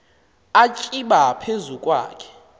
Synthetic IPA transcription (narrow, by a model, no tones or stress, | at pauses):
at͡ʃʼiɓapʰezukʼwa̰ːkʰɛ̥